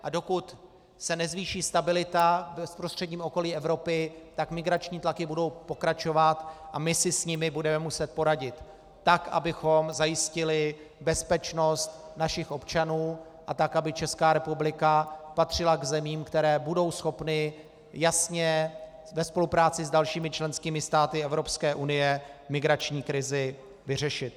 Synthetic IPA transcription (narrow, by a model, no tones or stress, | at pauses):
ʔado̞kut̪ | sɛnɛzviːʃiːst̪abɪlɪt̪abɛspɾo̞st̪r̝̥ɛdɲiːmʔo̞ko̞liːɛvɾo̞pɪt̪akmɪɡɾat͡ʃɲiːt̪lakɪbudo̞wpo̞kɾat͡ʃo̞vat̪ʔamɪsɪsɲɪmɪbudɛmɛmusɛt̪̚po̞ɾaɟɪt̪ː | akʔa̰bɪxo̞mzajɪscɪlɪ | bɛspɛt͡ʃno̞st̪naʃɪxʔo̞pt͡ʃanuːʔat̪akʔabɪt͡ʃɛskaːɾɛpublɪkapat̪r̝̥ɪlaɡzɛmiːmkt̪ɛɾɛːbudo̞wsxo̞pnɪ | jasɲɛ | vɛspo̞lupɾaːt͡sɪzdalʃiːmɪt͡ʃlɛnskiːmɪst̪aːt̪ɪɛvɾo̞pskɛːʔunɪjɛmɪɡɾat͡ʃɲiːkɾɪzɪ | vɪrɛʃɪt̪̚